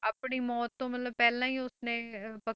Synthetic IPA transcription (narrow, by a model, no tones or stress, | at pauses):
aːpɳiːmɔːt̪ːõːmət̪ləbpɛːlãːiːʊsnẽːpə